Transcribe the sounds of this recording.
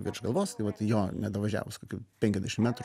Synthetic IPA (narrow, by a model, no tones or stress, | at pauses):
ʋʲiɾʃɡɐlˠʋoːjst̪ɐɪʋɐt̪joːnʲɛd̪ɐʋɐʒʲæ̰ːʋoskoːkʲuːpʲɛŋkʲɛzʲd̪ʲɛʃɪmʲæːt̪ɾ